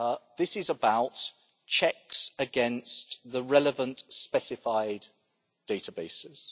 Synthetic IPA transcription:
ðɪsɪzəbaʊt | t͡ʃʰɛksəɡɛ̃nstðəɹɛləvə̃nʔspɛsɪfaɪd̥ | eɪtʰəbeɪsɪz̥

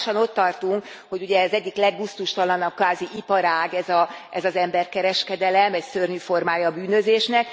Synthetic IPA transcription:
ʃɒno̞t̪ːɒrt̪uŋk | ho̞ɟuɟɛzɛɟːiklɛɡːust̪uʃt̪ɒlɒnɒp̚kʋaːziʔipɒɾaːɡɛzɒʔɛzɒzɛmbɛrkɛɾɛʃkɛd̪ɛlɛmɛcsørɲyfo̞rmaːjɒːbyːnø̞zeːʃnɛk̚

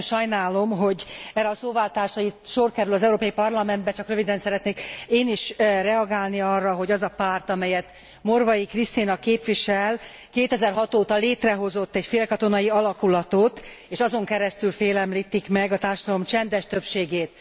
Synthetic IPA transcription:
ʃɒjnaːlo̞mɦo̞ɟɛɾːɛɒsoːvaːlt̪aːrʃɒit̪ʃorkɛɾylɒzɛuɾoːpɒjipɒrlɒmɛnd̪bɛt͡ʃɒkrø̞vid̪ɛnsɛɾɛt̪neːkeːniʃrɛɒɡaːlniɒrːɒɦo̞ɟɒzɒpaːrt̪ɒmɛjɛt̪ | mo̞rvɒjikrist̪inɒkeːpʋiʃɛl | keːt̪ɛzɛrɦɒt̪oːt̪ɒleːt̪rɛɦo̞zo̞t̪ːɛcfeːlkɒt̪o̞nɒjiɒlɒkulɒt̪ot̪ | eːʃɒzo̞ŋkɛɾɛst̪ylfeːlɛmliːt̪ikmɛɡɒt̪aːrʃɒd̪ɒlo̞mt͡ʃɛnd̪ɛʃt̪øpʃeːɡeːt̪

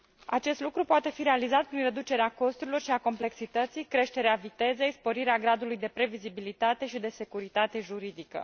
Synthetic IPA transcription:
a̰t͡ʃe̞st̪lukɾupoat̪e̞fiɾe̞alizat̪̚pɾinre̞d̪ut͡ʃe̞ɾeako̞st̪uɾilo̞rʃiako̞mple̞ksit̪ət̪sijkɾe̞ʃt̪e̞ɾeavit̪e̞ze̞jspo̞ɾiɾeaɡɾad̪ulujd̪e̞pɾe̞vizibilit̪at̪e̞ʃid̪e̞se̞kuɾit̪at̪e̞ʒuɾid̪ikə̰

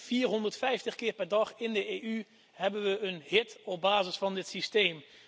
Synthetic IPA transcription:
fiːɹɦɔndəɹtfɛjftəχkɪːɹpɛɹdɑχɪndəeːʔy | hɛbənʋəənɦɪtɔb̚baːzəsfɑndɪtsistejm

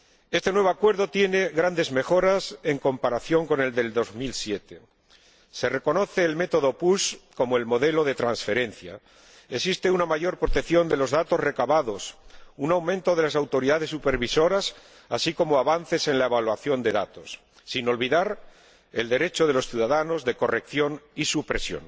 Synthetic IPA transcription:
e̞st̪e̞nwe̞βoakwe̞ɾðo̞t̪je̞ne̞ɣɾand̪e̞zme̞xo̞ɾase̞ŋko̞mpaɾaθjo̞ŋko̞ne̞ld̪e̞ld̪o̞zmilsje̞t̪e̞ | se̞re̞ko̞no̞θe̞ːlme̞t̪o̞ðopusko̞moe̞lmo̞ðe̞lo̞ðe̞t̪ɾansfe̞ɾe̞nθja̰ | esist̪e̞unamaʝo̞ɾpɾo̞t̪eθjo̞nd̪e̞lo̞zðat̪o̞zre̞kaβaðo̞sunawmẽ̞nt̪o̞ðe̞lasawt̪o̞ɾiðaðe̞sːupe̞ɾβiso̞ɾas | asiko̞moaβan̟θe̞se̞nlae̞βalwaθjo̞nd̪e̞ðat̪osː | ino̞lβiðaɾ | eld̪e̞ɾe̞t͡ʃo̞ð̞e̞lo̞sθjuðaðano̞zðe̞ko̞re̞kθjo̞nisupɾe̞sjo̞̰n

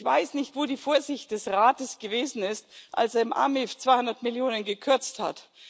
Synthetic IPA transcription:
v̥aɪsnɪçtv̥oːdiːfoːɐzɪçt̚d̥ɛsʁaːtəsɡ̥əveːzn̩ɪstʔa̰lseɐɪmʔa̰mɪft͡sv̥aɪhʊndɐtmɪljoːnənɡəkʰʏɐt͡stha̰t

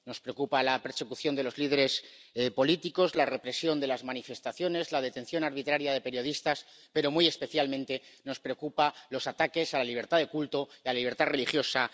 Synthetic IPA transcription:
no̞spɾeokupalape̞ɾse̞kuθjo̞nd̪e̞lo̞zlið̞e̞ɾe̞spo̞lit̪iko̞zlare̞pɾe̞sjo̞nd̪e̞lazmanife̞st̪aθjo̞ne̞zlað̞e̞t̪ẽ̞nθjo̞naɾβ̞it̪ɾaɾjað̞e̞pe̞ɾjo̞ðist̪as | pe̞ɾo̞muje̞spe̞θjalmẽnt̪e̞no̞spɾe̞okupalo̞sat̪ake̞salaliβ̞e̞ɾt̪aðe̞kult̪o̞ialaliβɾt̪are̞lixjo̞sa

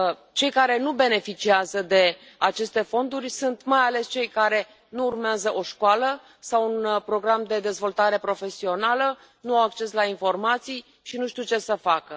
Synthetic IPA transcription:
t͡ʃe̞jkaɾe̞nube̞ne̞fit͡ʃiazəd̪e̞ | at͡ʃe̞st̪e̞fo̞nd̪urʲsunt̪majale̞st͡ʃe̞jkaɾe̞ | nuːrmeazəʔo̞ʃkwalə | sawunpɾo̞ɡɾamd̪e̞d̪e̞zvo̞lt̪aɾe̞pɾo̞fe̞sio̞nalə | nuawakt͡ʃe̞slainfo̞rmat̪sij | ʃinuʃt̪iwt͡ʃe̞səfakə

